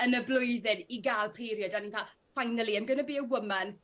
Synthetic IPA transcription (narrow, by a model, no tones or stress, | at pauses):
ənəblʊjðɪniɡaːlˠpʰiɾjɔdaninpʰa | fajnəlˠiɛmɡənəbiːəwəman